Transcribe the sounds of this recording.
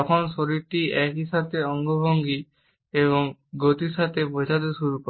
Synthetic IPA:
ɔkʰɔnsoɾiɾʈiʔɛkɦiʃat̪eɔŋɡobʱoŋɡi | eβɔŋɡot̪iʃat̪epojsat̪eʃuɾukɔ

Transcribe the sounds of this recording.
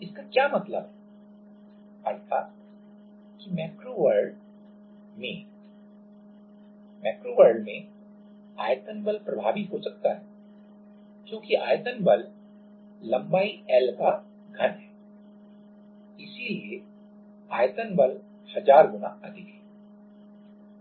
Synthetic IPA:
ɪskakjaːmɐt̪lə̰bɦɛ | ɐɾt̪ʰa̰ːt̪̚ | kimɛːkɾoʋəɾɖ | mḛ̃ | mɛːkɾoʋəɾɖmẽ | aːjt̪ənbəlpɾɐbʱaːʋiɦosɐk̚t̪aɦɛ | kjõːkiʔaːjt̪ənbəlː | ɐ̃mbaːiɛlka | ɡʱɐnɦɛː | ɪsilie | aːjt̪ənbəl | hɐzaːɾɡʊna̰ɐd̪ʱɪkɦɛː

